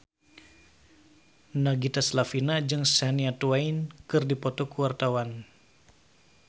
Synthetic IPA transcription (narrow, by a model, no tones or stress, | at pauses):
naɡit̪aslafinad͡ʒɨŋsaniat̪uajnkɨrdipɔt̪ɔkuwart̪awan